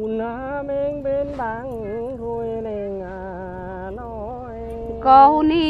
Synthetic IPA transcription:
u˨na˧˦me˧˦ŋbe˧˦nba˧˦ŋ˦ | ɡo˧jne˧ŋa˧ | nɔ˧ | j | kɔ˧hu˧ni˦

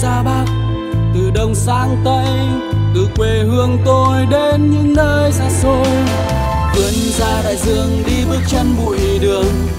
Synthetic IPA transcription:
zaː˧ɓaː˦˥t̚ | t̪ɨ̰˨˧˩ɗə˧˩wŋ͡msa̰ː˧˥ŋt̪ə˧j | t̪ɨ˧˩kwe˨˩hɨ˧əŋt̪o˧jɗe˧nɲɨ̰˧˥ŋnəː˧jzaː˧˩zo˧j | t̪ɨ˨˩ən | zaː˧ɗa̰ː˧˨jzɨ̰˧˩˨əŋɗi˧ɓɨ˦ək̚t͡ɕɛ˧nɓṵ˧˨jɗɨ˨˩əŋ

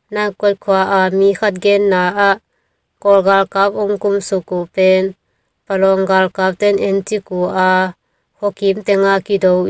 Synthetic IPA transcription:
na˧ŋkɔ˦t̚kʰua˧ʔa˧mi˧˨kʰa˦t̪̬̚ɡɛ˧nːa˨ʔa˧ʔ | kɔ˧lɡa˧lka˦p̚ɔ˧ŋku˧msu˨ku˨pɛn | palɔ˨ŋɡa˧lka˧p̚t̪ɛ˦nɛntiku˨ʔa˧ | hɔ˧ki˨mt̪ɛŋa˧ki˨dɔ˧w

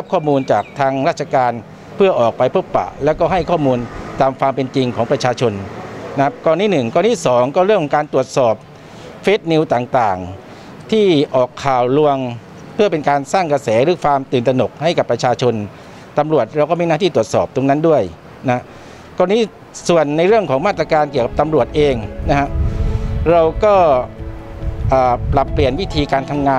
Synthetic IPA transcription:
ɾa˦˥p̚kʰɔː˥˩muː˧nt͡ɕaː˨˩k̚t̪ʰaː˧ŋɾa˥˩t͡ɕʰa˧kaː˧n | pʰɯ˥˩əʔɔː˨˩k̚pa˧jpʰo˦˥˩pːa̰˨˩ʔlɛː˦˥wkɔː˥˩ɦa˥˩jkʰɔː˥˩muː˧nt̪aː˧mkʰa˧ŋpe˧nt͡ɕi˧ŋkʰɔː˩˦ŋpɾa˧t͡ɕʰaː˧t͡ɕʰo˧nːa˧˥p̚kɔː˧ntːiː˥˩nɯ˨˩ŋkɔː˧nt̪ʰiː˥˩sɔː˩˦ŋkɔː˥˩ɾɯ˥˩əŋkʰːɔ˦ŋkaː˧nt̪u˨˩ət̪̚sɔː˨˩p̚ | feː˦˥t̪̚ni˧wt̪aː˨˩ŋt̪aː˨˩ŋ | t̪ʰiː˥˩ʔɔː˨˩kʰːaː˨˩wlu˧əŋ | pʰɯ˥˩ɐpe˧nkaː˧nsaː˥˩ŋka˧sɛː˩˦ɾɯː˩˦kʰwaː˧mt̪ɯː˨˩nt̪ɾa˧no˨˩k̚ha˥˩jka˨˩pːɾa˧t͡ɕʰaː˧t͡ɕʰo˧n | t̪a˧mɾu˨˩ət̪̚ɾa˧wkɔː˥˩miː˧˥naː˥˩t̪ʰiː˥˩t̪u˨˩ət̪̚sɔː˨˩p̚t̪o˧ŋna˦˥ndu˥˩əj | na˧˦a˥ʔ | kɔː˧niː˦˥ | su˨˩ənːa˧jɾɯ˥˩əŋkʰɔː˩˦ŋmaː˥˩t̪̚ːɾa˧kaː˧nki˨˩əwka˨˩p̚t̪a˧mɾu˨˩ət̪̚ʔeː˧ŋna˦˥kʰa˦˥ʔ | ɾa˧wkɔː˥˩ | ʔaː˨˩pla˨˩pːli˨˩ənwi˦˥t̪ʰiː˧kaː˧nt̪ʰa˧mŋaː˧

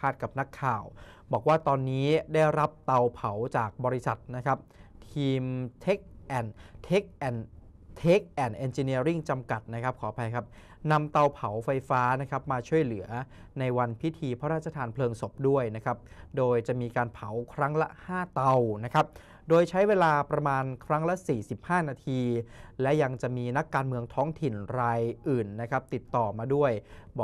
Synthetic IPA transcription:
aː˥˩t̪̚ka˨˩p̚na˦˥kʰːaː˨˩w | bɔː˨˩k̚waː˥˩t̪ɔː˧nːiː˦˥daː˥˩jɾa˦˥p̚t̪a˧wpʰa˩˦wt͡ɕaː˨˩k̚bɔː˧ɾi˦˥sa˨˩t̪̚na˦˥kʰa˦˥p̚t̪ʰiː˧mt̪ʰe˦˥k̚ʔɛː˨˩nt̪ʰeː˦˥k̚ʔɛː˨˩n | t̪ʰeː˦˥k̚ʔɛː˨˩nʔe˧nt͡ɕi˧ni˧˥əɾi˥˩ŋt͡ɕa˧mka˨˩t̪̚na˦˥kʰa˦˥p̚kʰɔː˩˦pʰa˧jkʰa˦˥p̚ | na˧mt̪a˧wpʰa˩˦wfa˧jfaː˦˥na˦˥kʰa˦˥p̚maː˧t͡ɕʰu˥˩əjlɯ˩˦ɐ | na˧jwa˧npʰi˦˥t̪ʰiː˧pʰɔ˦˥ɾaː˥˩t͡ɕʰːa˧t̪ʰaː˧npʰlɤː˧ŋso˨˩p̚du˥˩əjna˦˥kʰa˦˥p̚doː˧jt͡ɕa˨˩miː˧kaː˧npʰa˩˦wkʰɾa˦˥ŋlɛ̰˧˦˥ʔhaː˥˩t̪a˧wna˦˥kʰa˦˥p̚ | doː˧jt͡ɕʰa˦˥jweː˧laː˧pɾa˧maː˧nkʰɾa˦˥ŋlɛ˦˥siː˨˩si˨˩p̚haː˥˩naː˧t̪ʰiː˧lɛ˦˥ja˧ŋt͡ɕa˨˩ʔmiː˧na˦˥kːaː˧nmɯ˧əŋt̪ʰɔː˦˥ŋt̪ʰi˨˩nɾaː˧jʔɯː˨˩nːa˦˥kʰa˦˥p̚t̪i˨˩t̪ːɔː˨˩maː˧du˥˩əjbɔː˨˩

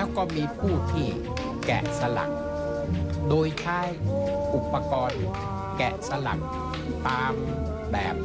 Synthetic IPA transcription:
lɛː˦˥wkɔː˥˩miː˧pʰuː˥˩t̪ʰiː˥˩ | kɛ̰˨˩sa˧la̰˨˩k̚ | doː˧jt͡ɕʰaː˦˥˩jʔu˨˩pːa˧kɔː˧n | kɛ˨˩sa˧la̰˨˩k̚ | t̪aː˧m | bɛː˨˩p̚

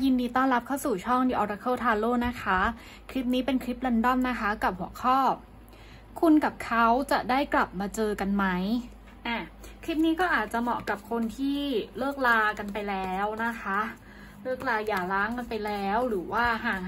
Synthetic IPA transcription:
ji˧ndiː˧t̪ɔː˥˩nɾa˦˥p̚kʰa˥˩wsuː˨˩t͡ɕʰɔ˥˩ŋdiː˧ʔɔː˧ɾa˧kʰɤː˥˩t̪ʰaː˧loː˥˩na˦˥kʰa˦˥ | kʰɾi˦˥p̚niː˦˥pe˧nkʰɾi˦˥p̚la˧ndɔ˥˩mna˦˥kʰa˦˥ka˨˩p̚hu˩ɐəkʰɔː˥˩p̚ | kʰu˧nka˨˩p̚kʰa˦˥wt͡ɕa˨˩daː˥˩jkla˨˩p̚maː˧t͡ɕɤː˧ka˧nma˦˥j | ʔaː˧˩kʰɾi˦˥p̚niː˦˥kɔː˥˩ʔaː˨˩t̪̚t͡ɕa˨˩mɔ˨˩ka˨˩p̚kʰo˧nt̪ʰiː˥˩lɤː˥˩k̚laː˧ka˧npa˧jlɛː˦˥wna˦˥kʰa˦˥ | lɤː˥˩k̚laː˧jaː˨˩laː˦˥ŋka˧npa˧jlɛː˦˥wɾɯː˩˦waː˥˩ɦaː˨˩ŋ

